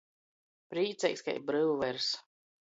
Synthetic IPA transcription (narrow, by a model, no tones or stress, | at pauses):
pɾiːt̪sɛ̰jska̰jbɾɨwvɛɾs